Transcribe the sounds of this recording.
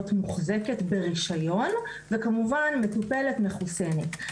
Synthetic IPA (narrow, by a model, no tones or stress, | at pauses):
t̪muχzeke̞tbeʁiʃajo̞n | vekamuvanme̞tupe̞le̞tmeχuse̞net